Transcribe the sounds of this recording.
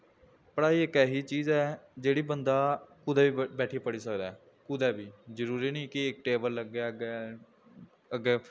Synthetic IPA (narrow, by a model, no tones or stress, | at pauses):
pəɽaːiːekɛːɦiːt͡ʃiːzɛːd͡ʒeːɽiːbənd̪aːkʊd̪ɛːʋiːbɛːʈʰiːpəɽiːsəkd̪aːɛː | kʊd̪ɛːbiːzəɾuːɾiːnəĩːkɪɪk̚ʈeːbəlːəɡɛːɡɛ | əɡeː